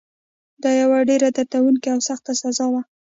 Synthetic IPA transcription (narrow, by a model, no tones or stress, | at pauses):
d̪ɑjawaɖeɾad̪aɾt̪awuŋkiawsaxt̪asazɑwa